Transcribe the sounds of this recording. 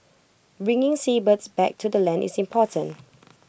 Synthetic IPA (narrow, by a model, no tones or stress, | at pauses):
ɹɪ̃ŋɪ̃ŋsibətsbɛk̚tʰudəlɛ̃ndḭsĩmpʰɔtʰə̃n